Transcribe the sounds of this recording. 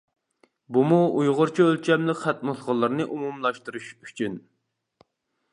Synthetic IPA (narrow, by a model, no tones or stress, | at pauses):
bumuujʁʊɾt͡ʃʰiølt͡ʃʰɛmlɪkʲχæt̪̚mɨsʁɑlˠːɨɾnɨʔumumlˠɑʃt̪uɾuʃyt͡ʃʰyn